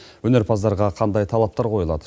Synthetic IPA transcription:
wɵne̞ɾpʰɑzd̪ɑɾʁɑqʰɑnd̪ɑjt̪ʰɑlˠɑp̚t̪ɑɾqʰo̞jəlˠɑd̪ə

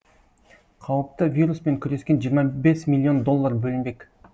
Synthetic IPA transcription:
qʰɑwəp̚t̪əvʲiɾuspe̞ŋkʲʰʏɾe̞skʲe̞nʒijəɾmɑbe̞smʲilʲˠːio̞nd̪o̞lˠːaɾbɵlɪnbe̞kʲ

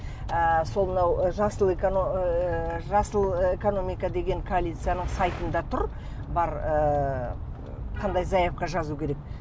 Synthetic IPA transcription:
əsolˠmənɑwʒɑsəlˠek | ʒɑsəlˠeko̞no̞mijkɑd̪e̞ɡʲe̞ŋkʰoalʲˠijt̪sɨjanəɴsɑjt̪ənd̪ɑt̪ʰʊɾ | bɑɾə | qʰɑnd̪ɑjzɑjɑp̚qɑʒɑzukʲʰeɾe̞k̚

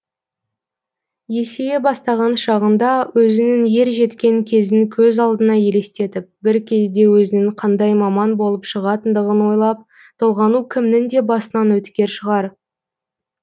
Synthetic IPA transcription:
je̞se̞jebɑst̪ɑʁɑnʃɑʁənd̪ɑwʔɵzɪnɪŋje̞ɾʒe̞t̪kʲe̞ŋkʲʰe̞zɪŋkʲʰɵzɑlˠd̪ənɑje̞le̞st̪e̞t̪ɪp̚bɪɾkʲʰe̞zd̪e̞wɵzɪnɪŋqʰɑnd̪ɑjmɑmɑnbo̞lˠəpʃəʁɑt̪ənd̪əʁənwo̞jlˠɑp̚ | t̪ʰolˠʁɑnukʲʰɪmnɪŋd̪e̞bɑsənɑnwɵt̪kʲe̞ɾʃəʁɑɾ

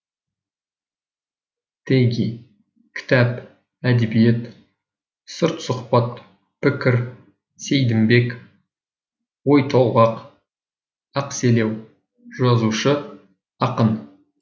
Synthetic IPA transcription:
t̪ʰejɡʲi | kʲʰɪ̥t̪æp | æd̪ebijet̪ | səɾt̪sʊqpɑt̪ | pʰɪkʲɪɾ | sejd̪ɪmbe̞k | wo̞jt̪ʰowˠʁɑq | ɑqse̞le̞w | ʒɑzuʃə | ɑqən

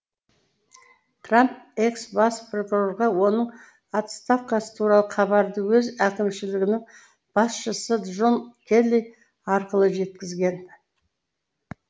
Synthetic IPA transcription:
t̪ʰramp̚e̞ksbɑspro̞kuro̞ɾʁɑwo̞nəɴ | ɑt̪st̪ɑfkɑsə̥t̪ʰuɾɑlˠəχʰɑβɑɾd̪əwɵzækʲɪmʃɪlɪɡʲɪnɪŋ | b̥ɑsʃəsəʒo̞nkʲʰe̞lːij | ɑɾqəlˠəʒe̞t̪kʲɪzɡʲe̞n

